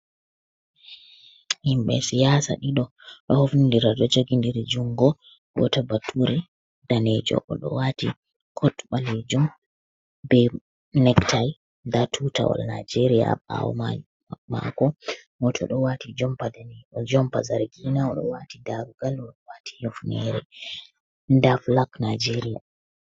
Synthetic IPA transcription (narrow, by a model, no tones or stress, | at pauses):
himɓɛsijasa̰ɗiɗɔ | ɗɔhofnindiɾadɔd͡ʒoɡindiɾd͡ʒuŋɡɔ | ɡɔ̰tabatʰːuɾɛ | daned͡ʒɔ̰ʔɔɗɔ̰wati | kʰɔtɓaled͡ʒum | bɛ | nɛktʰaj | ndatʰuta̰wɔ̰lnajd͡ʒeɾija̰a̰wɔ̰ma | ma̰kɔmɔtʰɔ̰ɗɔwatid͡ʒɔmpadanɔd͡ʒɔmpazaɾɡinaɔɗɔ̰watidaɾuɡalɔɗɔwati̥hofnɛɾɛ | ndaflaknad͡ʒeɾija